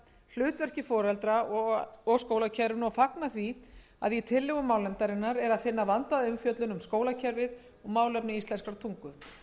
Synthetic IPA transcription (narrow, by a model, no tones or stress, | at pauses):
l̥ʏːt̪vɛr̥cɪfɔːɾɛlt̪ɾaɔɔɣskoːwlacʰɛɾvɪnafaknaθvi | a̰ðjɛt̪ʰɪlːɪɣʏmaːwlɛnt̪aɾɪnːaɾɛɾaðfɪnːavant̪aðʏmfjœt̪lʏnʏmskoːwlacʰɛɾvɪð | ɔɣmaːwlɛpnɪist̪lɛnskaɾt̪ʰuŋkʏ